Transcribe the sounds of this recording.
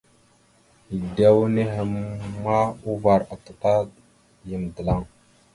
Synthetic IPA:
i˨da˦wu˦ne˦ɦe˨mma˦u˦va˨ɾa˨ta˨ta˦ | jə˨mdə˨la˦˨ŋ

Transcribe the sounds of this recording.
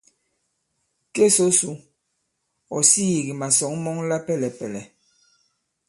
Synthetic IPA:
ke˦so˨˦su˨˦ | ɔ˨siː˦˨ɣi˨ma˨sɔ˨˦ŋmɔ˦ŋla˦pɛ˦lɛ˨pɛ˨lɛ˨

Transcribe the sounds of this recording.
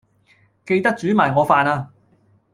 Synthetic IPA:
ke˧jt̪ɐ˥k̚t͡ʃyː˨˥maː˨jŋɔː˨˧faː˧naː˧

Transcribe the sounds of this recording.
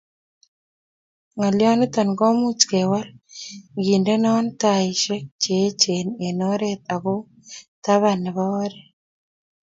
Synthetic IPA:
ŋa˨ljɔ˦ni˦t̪ɔ˨nɡo˦mu˦t͡ʃke˨wa˦lɡi˨nde˦nɔ˦nta˨iʃe˦k̚t͡ʃe˨˦t͡ʃe˨ne˨no˦ɾet̪̚a˨ɣo˦ | ta˦βa˨ne˨βɔ˦ɾe

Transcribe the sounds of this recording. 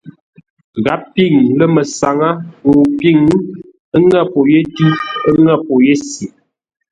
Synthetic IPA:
ɣa˦p̚pi˦˨ŋlə˦mə˨sa˨ŋa˦o˨pi˦˨ŋ˦ | ə˦ŋa˦˨po˨je˦di˦ə˦ŋa˦˨po˨je˦si˨

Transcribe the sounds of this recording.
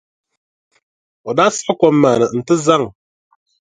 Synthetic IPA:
ɔ˨da˦sḁ˦kɔ˦mːaː˨nɨ˨n̩˨tɨ˦za˦˨ŋ

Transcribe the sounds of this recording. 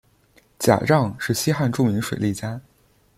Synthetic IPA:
t͡ɕja̰˨˩ʈ͡ʂɑ˥˧ŋʂɻ̩˥˩ɕi˥xa˥˧nʈ͡ʂu˥˩ŋmi˧˥ŋʂwe˨˩ɪli˥˩t͡ɕja˥

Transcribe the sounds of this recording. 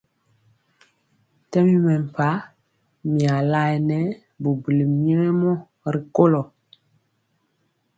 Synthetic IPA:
tɛ˦mi˦mɛ˨m˨pa˦ | mi˨a˨la˦jnɛ˦ | bu˨bə˨li˨mi˦i˦ɛ˦mɔ˦ | ɾi˨ko˦lɔ˨

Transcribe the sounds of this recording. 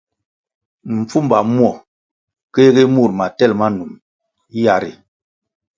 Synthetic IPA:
m̩˨p͡fu˦mba˨mwɔ˦˨ | ke˦ɣi˦mu˦˨ɾma˨tɛ˦˨lma˦nu˨m˦ | ja˨ɾḭ˨

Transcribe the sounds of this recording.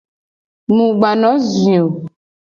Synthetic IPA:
mũ˨ɡ͡ba˨nɔ̃˨˦zĩ˨o˨

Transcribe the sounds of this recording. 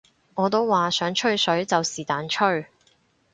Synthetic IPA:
ŋɔː˨˧t̪o˥wːaː˨sœː˨˥ŋt͡ʃʰɵ˥ɥsɵ˨˥ɥt͡sɐ˨wsiː˨˩t̪aː˨˥nt͡ʃʰɵ˥ɥ

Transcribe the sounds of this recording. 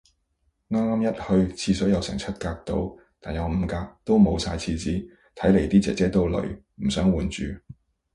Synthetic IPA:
ŋaː˥maː˥mjɐ˥t̚hɵ˧ɥt͡sʰiː˧sœː˨˥jɐ˨˧wsɛ̰˨˩ŋt͡sʰɐ˥t̚kaː˧k̚t̪o̰˧˥w | t̪aː˨njɐ˨˧wm̩ː˨˧kaː˧k̚t̪o˥wmo˨˧wsaː˧jt͡sʰiː˧t͡siː˨˥ | t̪ʰɐ˨˥jle˨˩jt̪iː˥t͡sɛ̰ː˨˧t͡sɛː˥t̪o˥wlɵ̰˨˥ɥ | m̩˨˩sœː˨˥ŋwuː˨˩nt͡ʃyː˨

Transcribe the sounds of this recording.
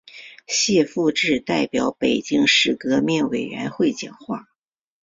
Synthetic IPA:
ɕjɛ˥˧fu˥˧ʈ͡ʂɻ̩˥˧t̪a˥˩ɪpjɑ˧˥ʊpe˨˩ɪt͡ɕi˥˧ŋʂɻ̩˥˩kɤ˧˥mjɛ˥˩nwe˨˩ɪɥɛ̰˧˥nxwe˥˩ɪt͡ɕjɑ̰˨˩ŋxwa˥˩

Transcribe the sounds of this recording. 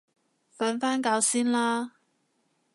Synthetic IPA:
faː˨˥nfaː˥nkaː˧wsiː˥nlaː˥

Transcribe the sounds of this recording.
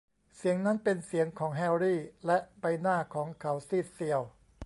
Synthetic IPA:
si˩˦əŋna˦˥npe˧nsi˩˦əŋkʰɔː˩˦ŋɦɛ˧wɾiː˥˩lɛ˦˥ʔba˧jnaː˥˩kʰɔː˩˦ŋkʰa˩˦wsiː˥˩si˧əw

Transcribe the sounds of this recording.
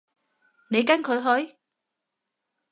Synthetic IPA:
ne˨˧jka˥nkʰɵ˨˧jɦɔ˨˥j

